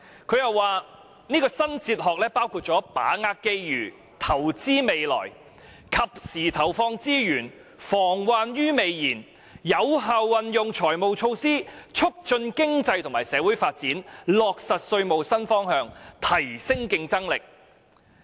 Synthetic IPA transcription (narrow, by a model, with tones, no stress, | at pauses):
kʰɵ˨˧ɥjɐ˨wːaː˨ | niː˥kɔː˧sɐ˥nt͡siː˧t̚ɦɔː˨k̚lɛː˥paː˥wkʰuː˧t̚t͡ʃɔː˨˥pa̰ː˨˥ŋaː˧˥kkːe˥jjyː˨˩ | t̪ʰɐ˨˩wt͡siː˥me˨jlɔ̰ː˨˩j | kʰɐ˨p̚siː˨˩t̪ʰɐ˨˩wfɔː˧ŋt͡siː˥jyː˨˩n | fɔː˨˩ŋwaː˧njyː˥me˨˧jjiː˨˩n | jɐ˨˧wɦaː˨wːɐ˨njʊ˨˧ŋt͡sʰɔː˨˩jmo˨wt͡ʃʰo˧wsiː˥t͡ʃʰʊ˥k̚t͡ʃɵ˧nkɪ˥ŋt͡sɐ˧jt̪ʰŋmaː˨˩sɛː˨˧wuː˨˥jfaː˧t̚t͡siː˨˥nlɔː˨k̚sɐ˨t̚sɵ˧ɥmo˨wsɐ˥nfɔː˥ŋhœː˧ŋt̪ʰɐ˨˩jsɪ˥ŋkɪ˧ŋt͡sɐ˥ŋlɪ˨k̚